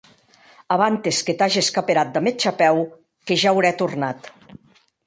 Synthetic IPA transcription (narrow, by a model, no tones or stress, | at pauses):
aβant̪esket̪aʒieskapeɾat̪̚d̪amet͡ʃapɛw | keʒawɾɛt̪urnat̪